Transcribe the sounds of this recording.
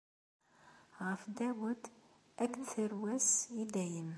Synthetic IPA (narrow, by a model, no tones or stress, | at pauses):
ɣæfd̪æwəd̪ | ʔækθəɾwæsid̪æjəm